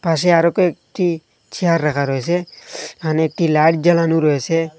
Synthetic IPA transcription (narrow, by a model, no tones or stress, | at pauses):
pas̬eaɾokoek̚ʈi | t͡ʃʰiɦaɾːakʰaɾɔɦeseanek̚ʈilaʈd͡ʒalanuɾɔese